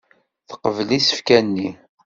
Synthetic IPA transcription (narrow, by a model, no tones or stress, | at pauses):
θə̥qəvlisə̥fkænːi